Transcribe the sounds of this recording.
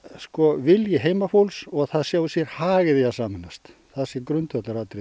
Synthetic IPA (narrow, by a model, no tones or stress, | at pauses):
skɔvɪljɪɦeːjmafowlsɔɣθaðsjaːwɪsjɛɾhaːɣɪðɪjasaːmɪnast̪ | θaðsjɛɾkɾʏnt̪œt̪laɾaːt̪ɾɪ